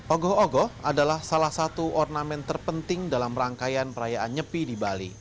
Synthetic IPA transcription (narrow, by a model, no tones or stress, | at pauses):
ʔɔɡɔɔɡɔadalahsalahsat̪uʔɔrnamɛnt̪ərpənt̪ɪŋdalaməɾaŋkajanpəɾajaʔanɲəpidibalḭ